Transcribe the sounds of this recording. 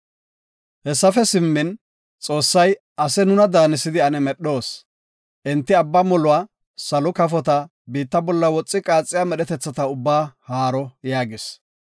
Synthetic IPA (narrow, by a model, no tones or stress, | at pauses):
hɛsːɐfɛsɪmːɪn | t͡sʼo̞ːsːɐj | ʔɐsɛnʊnɐd̪aːnɪsɪd̪ɪɐnɛmɛɗo̞ːs | ʔɪnt̪ːɪɐbːamɔlʊwaː | sɐlɔkɐfɔt̪ɐ | biːt̪ːɐbɔlːɐwɔt͡sʼːɪkʼaːt͡sʼːɪjaːmɛɗɛt̪ɛt͡sːɐt̪ɐʊbːaːhaːɾɔjaːɡɪs